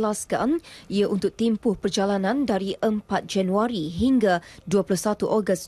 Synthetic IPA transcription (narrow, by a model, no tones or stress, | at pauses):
laska̰niaʔunt̪ʊk̚t̪impʊhpərd͡ʒalanãndaɾiʔəmpat̪̚d͡ʒanuaɾiɦiŋɡaduaplʊhsat̪uʔɔɡəs